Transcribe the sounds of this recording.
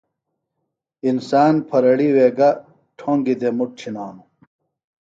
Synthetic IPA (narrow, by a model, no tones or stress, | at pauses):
insaːnpʰɐɾɐɽiweːɡɐ | ʈʰoːŋɡid̪emuʈ̚t͡ɕʰinaːnu